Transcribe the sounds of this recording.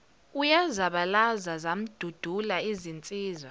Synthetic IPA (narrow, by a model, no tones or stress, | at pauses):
ujazaɓalazazam̩d̥ʱud̥ʱulaizint͡sʼiːzwa